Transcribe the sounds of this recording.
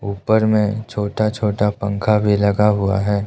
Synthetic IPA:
uːpəɾmẽt͡ʃʰoːʈat͡ʃʰoːʈapə̃ŋkʰabʱilɐɡaɦʊa̰ɦɛː

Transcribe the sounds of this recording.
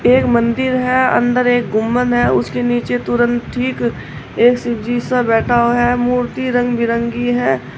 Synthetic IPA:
eːkmə̃nd̪ɪɾɦɛɐ̰̃nd̪əɾeːk̚ɡʊmːənɦɛʊskeniːt͡ʃet̪ʊɾə̃nt̪ʈʰiːk | eːksɪd͡ʒiːsabɛːʈʰaːoɦɛmuːɾt̪iɾə̃ŋɡbʱɪɾə̃ŋɡiɦɛː

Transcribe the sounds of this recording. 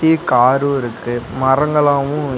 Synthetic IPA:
ikaːɾɯɪɾɯkːɯmɐrɐŋɡɐɭaːʋʊ̃

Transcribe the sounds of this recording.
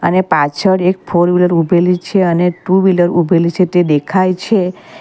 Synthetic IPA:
ə̰nepat͡ʃʰəɽek̚pʰoɾʋiləɾubʱelit͡ʃʰeəneʈuʋiləɾubʱelit͡ʃʰet̪ed̪ekʰajt͡ʃʰe

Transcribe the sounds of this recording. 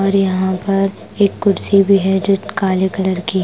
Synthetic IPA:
ɔːɾjɐɦãpɐɾ | eːkːʊɾsibʱiɦɛd͡ʒʊʈkaːlekɐləɾki

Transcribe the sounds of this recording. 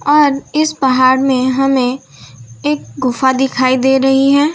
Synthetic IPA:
ɔːɾɪsbɐɦaːɾmẽɦɐmẽ | eːk̚ɡʊfad̪ɪkʰaːid̪eːɾɐɦiɦɛː

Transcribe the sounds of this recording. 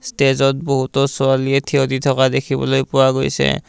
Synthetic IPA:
stezɔt̚boɦutɔsʊalietʰioditʰɔkadekʰibɔ̰lojpʊwaɡojsɛ̰

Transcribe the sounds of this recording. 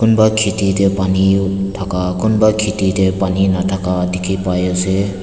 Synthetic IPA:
kunbakʰititɛpanitʰakakunbakʰititɛpaninatʰakadikʰipajase

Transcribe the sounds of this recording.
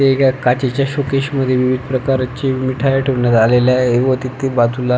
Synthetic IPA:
t̪eekakat͡ɕet͡ɕjaɕokeɕməd̪ʱːjeʋiʋid̪ʱpɾəkaɾat͡ɕemiʈʰajaʈʰeʋɳjat̪aleljaeʋot̪it̪ːebat̪ula

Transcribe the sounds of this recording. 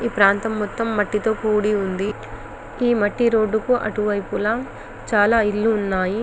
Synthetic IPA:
iːpɾaːnt̪ɐmːɔt̪ːɐmːɐʈːit̪o̞ːkuːɽiund̪i | iːmɐʈːiɾo̞ːɖːukuʔɐ̰ʈuʋɐjpulɐ | t͡ʃaːlaːilːuːnːaːji

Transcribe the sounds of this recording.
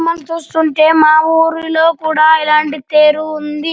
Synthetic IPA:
mːɐnt͡ʃuːst̪uɳʈe̞ːmaːuːɾulo̞ːkuːɽaːilaːɳʈit̪eːɾuund̪i

